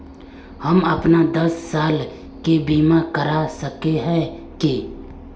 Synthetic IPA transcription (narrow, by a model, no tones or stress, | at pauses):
hɐmɐpnad̪ɐsːaːl | kebiːmakəɾasəkeɦɛ̃ | kiː